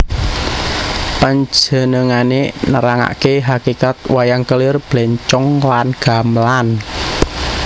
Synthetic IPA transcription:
paɲd͡ʒə̤nəŋanenəɾaŋa̰ʔkeɦakikat̪̚wajaŋkəlɪrb̥lɛɲt͡ʃɔŋlanɡ̥a̤mlan

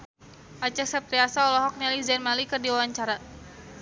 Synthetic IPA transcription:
ʔat͡ʃɛksap̚ɾiasaɔlɔɦɔk̚nalizɛnmalikɨrdiwawaɲt͡ʃaɾa

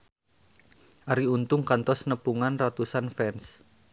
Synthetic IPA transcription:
ʔaɾiunt̪ʊŋkant̪ɔsnəpuŋanrat̪usanfɛns

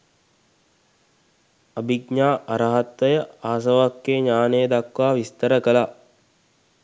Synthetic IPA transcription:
abiɡ̚ɲaːʔaɾəɦat̪ʋəjəaːs̬əʋakːeːɲaːnejəd̪akʋaːʋist̪əɾəkəla

